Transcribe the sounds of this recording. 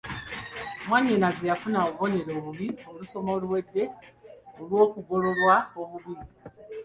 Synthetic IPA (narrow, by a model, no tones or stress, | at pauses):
mwaɲːenazejafunaβo̞ne̞ɾo̞ːβuβioluso̞molwe̞dːe̞ | olwo̞ːkuɡo̞lo̞lwaoβuβii